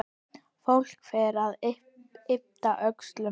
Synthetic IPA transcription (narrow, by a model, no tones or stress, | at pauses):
fowl̥kfɛːɾað | ɪp̚t̪aʔœkst̪lʏ